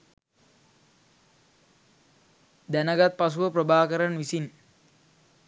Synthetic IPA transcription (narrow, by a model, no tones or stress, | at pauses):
d̪ænɐɡat̪̚pas̬uʋəprəbaːkəɾanʋisin